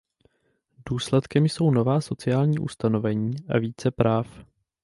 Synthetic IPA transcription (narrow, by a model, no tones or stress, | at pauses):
duːslɛt̪kɛmjso̞wno̞vaːso̞t͡sɪjaːlɲiːʔust̪ano̞vɛɲiːʔa̰viːt͡sɛpɾaːf